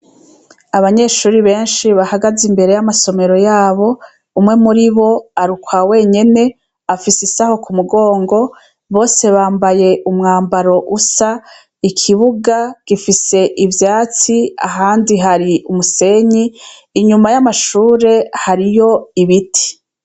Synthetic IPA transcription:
aβaɲe̞ʃuːɾiβe̞ːnʃiβahaɡazimbe̞ɾe̞jamaso̞me̞ɾo̞jaːβo̞ | umŋe̞muɾiβo̞aɾukwawe̞ːɲe̞ne̞ | afisisaho̞kumuɡo̞ːŋɡo̞ | βo̞ːse̞βaːmbaje̞ʔumŋaːmbaɾo̞ʔusa | ikʰiβuɡaɡ̥ifise̞ʔivjaːt͡sia̰ɦaːndiɦaɾiʔumuse̞ɲiː | ɲumajamaʃuːɾe̞haɾijo̞iβitʰi̥

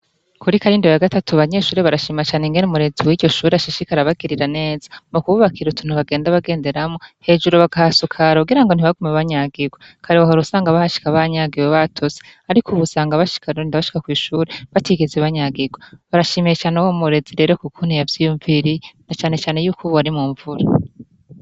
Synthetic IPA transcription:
kʰuɾikaɾindeβejaɡatatuaβaɲe̞ːʃuːɾeβaɾaʃimat͡ʃaːneŋɡenumuɾe̞d͡ziwiɟo̞ʃuːɾeaʃiʃikaɾaβaɡiɾiɾane̞ːzḁmukuβuβakʰiɾutʰun̥uβaɡe̞ːndaβaɡe̞ːnde̞ɾamohe̞d͡ʒuɾoβaɡahasukʰaɾauɡiɾaŋɡo̞n̥iβaɡumeβaɲaɡiɡwa | kʰaɾewahoɾusaːŋɡaβahaʃi̥kaβaɲaɡiweβatʰoze̥aɾikʰuβusaːŋɡaβaʃi̥kʰaɾindaβaʃi̥kakwiːʃuːɾeβatiɡezeβaɲaɡiɡwaβaɾaʃimijet͡ʃaːnewomuɾe̞ziɾe̞ɾo̞kukʰun̥ijavjijuɱviɾinat͡ʃaːne̞t͡ʃaːne̞juːkuβuaɾimuːɱvuɾa

